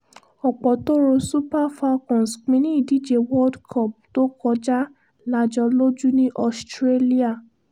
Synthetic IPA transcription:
ɔ˨k͡pɔ˨to˦ɾo˧su˦pa˦fa˦kɔ̃˨sk͡pĩ˧˦nĩ˦i˦˨di˨˦d͡ʒe˧wɔ˦dkʰɔ˦˨p̚to˦kɔ˧d͡ʒa˦ | la˧d͡ʒɔ˧lo˦d͡ʒu˦nĩ˦ʔɔ˧stɾe˦li˦a˦˨

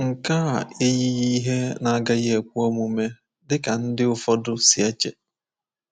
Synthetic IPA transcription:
ŋ̩˨ka˦˨e˦ji˦ji˦ɦe˦na˦ɡa˦ɣɪ˦e˨kʷu˦ɔ˦mu˨me˦ | dɪ˦ka˨n̩˦dɪ˦ʊ˦fɔ˦dʊ˦si˨e˦t͡ʃe˨

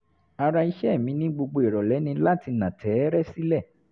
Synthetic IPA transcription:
a˧ɾa˧i˧ʃɛ˦˨mĩ˨˦nĩ˦ɡ͡bo˧ɡ͡bo˧e˨ɾɔ˨lɛ˨˦nĩ˧la˦ti˧nã˨tʰɛ˨˦ɾɛ˦si˦lɛ˦˨

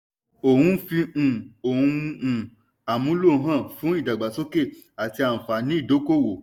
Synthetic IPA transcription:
o˨hũ˧fĩ˧˨o˨hũ˧˨ | a˨mũ˨˦lo˦˨˦ɦã˦˨fũ˨˦i˦˨da˨ɡ͡ba˨so˦ke˦˨a˨ti˧ã˨fa˨˦nĩ˦i˦˨do˨˦ko˦˨wo˨

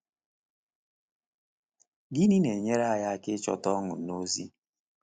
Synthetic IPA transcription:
ɡi˦ni˦ne˨ɲe˦ɾa˦˨ja˦a˦kɪ˦t͡ʃɔ̰˦tɔ˦ŋʊ˨no˦zi˦

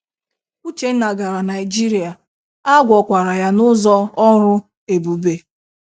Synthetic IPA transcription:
u˦t͡ʃe˨n̩˦na˨ɡa˨ɾa˨na˨ɪ˨d͡ʒi˦ɾi˨a˨ | a˦ɡʷɔ˨kʷa˨ɾa˨ja˦nʊ˦zɔ˦ɔ˦ɾʊ˦ | e˨bu˨be˨

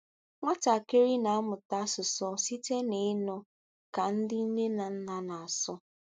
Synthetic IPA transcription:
ŋʷa˦ta˨ke˦ɾi˦na˨a˦mʊ˨ta˦sʊ˨sɔ˦si˦te˦ne˨˦nɔ˨ | ka˨n̩˦dɪ˦i˦ne˦na˨n̩˦na˨na˨a˨sɔ˦

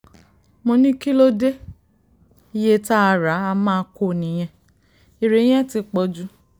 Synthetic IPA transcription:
mõ˧nĩ˦ki˦lo˦de˦ | i˦je˦ta˦a˧ɾa˨˦a˧mã˦˧˦ko˦˨nĩ˨j̃ɛ̃˧ | i˨ɾẽ˨˦ɛ̃˦ti˧k͡pɔ˧d͡ʒu˦

